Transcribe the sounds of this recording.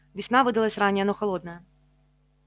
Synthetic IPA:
vʲisʲnavɨd̪ɐlˠɐsʲranʲiɐnɔxɐlˠɔd̪̚nɐjɐ

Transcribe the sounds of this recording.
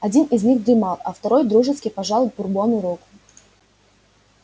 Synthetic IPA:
ɐdʲinɪzʲnʲiɣd̪ɾʲɪmalˠɐ̰ft̪ɐɾojd̪ɾuʐɨskʲɪjpɐʐalˠʊpʊrbonʊɾukʊ̥

